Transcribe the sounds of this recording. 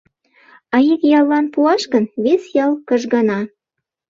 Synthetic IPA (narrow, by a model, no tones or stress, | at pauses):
ɑikjɑlːɑnpuɑʃkənβesjɑlˠkəʒɡɑnɑ